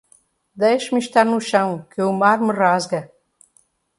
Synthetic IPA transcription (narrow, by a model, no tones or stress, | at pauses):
d̪ejʃmʃt̪aɾnuʃɐ̃w̃kɨumaɾmɨrazɡɐ